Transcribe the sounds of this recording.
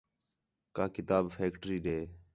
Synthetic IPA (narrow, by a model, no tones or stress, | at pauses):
kaːkɪt̪aːbfeːkʈəɾiːɗeː